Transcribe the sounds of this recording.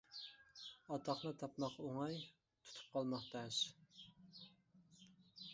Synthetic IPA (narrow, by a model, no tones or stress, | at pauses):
ɑt̪ʰɑχnɨt̪ʰɑpmɑqoŋɑj | t̪ʰu̥t̪ʰu̥p̚qʰɑlˠmɑχt̪ɑʃ